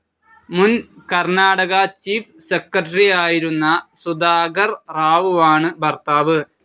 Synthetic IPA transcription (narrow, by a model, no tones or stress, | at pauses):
munkɐrnaːɽɐɣɐt͡ɕiːf | sekːɐʈɐriaːjiɾunːɐsud̪aːɡɐrraːʋuʋaːɳɨbʱɐrt̪aːʋɨ